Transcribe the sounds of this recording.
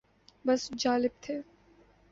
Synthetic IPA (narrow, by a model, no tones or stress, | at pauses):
bɐsd͡ʒaːlɪb̚t̪ʰeː